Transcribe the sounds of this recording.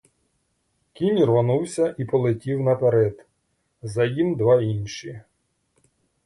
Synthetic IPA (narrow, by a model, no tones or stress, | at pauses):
kʲinʲrʋɔnuwsʲɐʔipɔlˠɪtʲiwnɐpeɾɛd̪ | zɐjimd̪ʋɑinʲʃi